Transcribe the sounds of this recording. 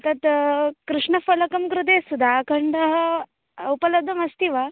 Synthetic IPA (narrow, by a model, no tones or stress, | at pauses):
t̪ɐt̪kɾuʂɳɐfɐlɐkɐmkɾut̪̬esud̪ʱakʰɐɳɖɦ | upɐlɐd̪ʱɐmɐst̪iʋa